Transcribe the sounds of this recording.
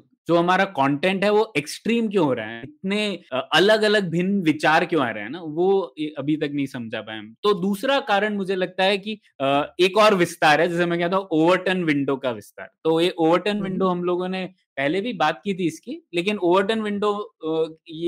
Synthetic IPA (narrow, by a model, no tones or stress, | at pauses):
d͡ʒoːɦɐmaːɾakɔ̃ːɳʈɛ̃ɳʈɦɛʋoʔeksʈɾiːmk̬jõɦoːɾa̰ɦɛɪt̪̚neɐləɡɐləɡ̚bʱɪnʋɪt͡ʃaːɾkjõa̰ːɾa̰ɦɛ̰naʋoːʔɐbʱit̪ɐknɐɦĩsɐmd͡ʒʱapa̰ːemt̪od̪uːsɾakaːɾəɽ̃mʊd͡ʒʱelɐɡ̚t̪aɦɛki | eːkɔːɾʋɪst̪aːɾɦɛd͡ʒɛːsemɛ̃kɛɦt̪̬aũoːʋəɾʈənʋɪ̃ɳɖokaʋɪst̪a̰ːɾt̪oːjeʔoːʋəɾʈənʋɪ̃ɳɖoɦɐmloːɡõne | pɛɦlebʱibaːt̪̚kit̪ʰiɪskileːk̬ɪnoːʋəɾʈənʋɪ̃ɳɖo | e